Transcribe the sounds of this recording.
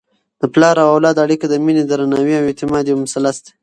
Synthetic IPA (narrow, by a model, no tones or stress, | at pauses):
d̪̥əplɑɾawawlɑd̪aɽikod̪əmined̪əɾanawiawet̪ɪmɑd̪jomʊsalːast̪e̥